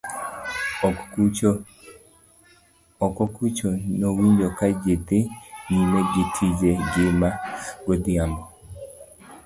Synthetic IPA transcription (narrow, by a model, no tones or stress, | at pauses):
ɔkɔkut͡ʃonowiɲd͡ʒokad͡ʒɪd̪ɪnimeɡɪtʰid͡ʒeɡɪmaɡod̪ɪamɔ